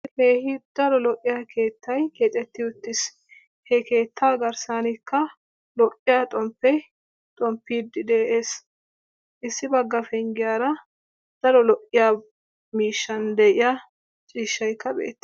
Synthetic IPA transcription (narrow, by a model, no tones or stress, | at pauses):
heːhɪd̪̥ɐɾɔlɔʔʼːɪjaːkʰe̞ːt̪ːɐjke̞ːt̪ʼɛt̪ːɪʊt̪ːɪs | hɛke̞ːt̪ʰːaːɡɐɾsaːnɪkːɐ | lɔʔʼːɪjaːt̪ʼɔmpːɛj | t̪ʼɔmpːiːd̪ːɪd̪eːʔe̞ːs | ʔɪsːɪbɐɡːɐfɛŋɡɪjaːɾɐ | d̪̥ɐɾɔlɔʔʼːɪjaː | miːʃːɐnd̪ɛʔɪja | t͡ʃʼiːʃːɐjkːɐbḛːt̪ːɛ